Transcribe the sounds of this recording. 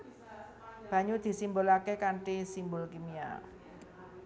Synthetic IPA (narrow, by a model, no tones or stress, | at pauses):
b̥a̤ɲud̪̥i̤simbolakekaɳʈisimbʊlkimia̰